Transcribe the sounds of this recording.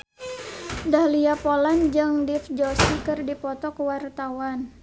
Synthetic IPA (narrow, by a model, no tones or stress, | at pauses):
dahliapoland͡ʒɨŋdifd͡ʒɔsikɨrdipɔt̪ɔkəwart̪awan